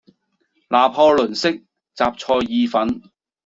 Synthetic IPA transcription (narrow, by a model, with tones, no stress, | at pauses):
lʔaː˨pʰɔː˧lɵ˨˩nsɪ˥k̚ | t͡saː˨p̚t͡sʰɔː˧jːiː˨˧fɐ˨˥n